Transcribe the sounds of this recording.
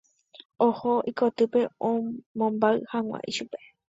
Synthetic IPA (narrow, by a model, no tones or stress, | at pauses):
ohoikot̪ɨpe̞õmõmbaɨhãw̃ʷã̰ʔḭʃupe̞̥